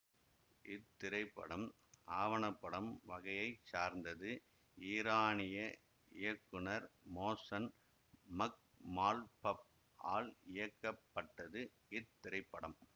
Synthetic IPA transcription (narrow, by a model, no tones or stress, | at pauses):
ʔɪt̪ːɪɾɐɪpːɐ̰ɽɐm | aːʋɐɳɐpːɐɽɐmʋɐɣɐjɐɪt͡ʃaːɾnd̪ɐðɯ | iːɾaːnɪjɐ | ɪjɐkːɯnɐɾmoːsɐn | mɐk̚ | maːlpɐp̚ | aːlɪjɐkːɐpːɐʈːɐðɯ | ɪt̪ːɪɾɐɪpːɐɽɐm